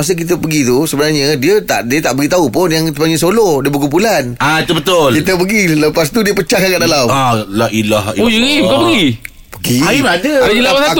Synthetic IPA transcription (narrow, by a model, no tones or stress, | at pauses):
as̬ək̬it̪əpəɡit̪usəbənarɲədiət̪a̰ʔdiət̪aʔbəɡit̪aupʊnjaŋt̪əpaɲəsolɔhdiəbək̬ump̬ulanait̪ubət̪ʊlkit̪əp̬əɡiləpast̪udiəpət͡ʃahkakaʔdalamalaʔilaɦiojəebkapəɡi | pəɡiabdəəlaa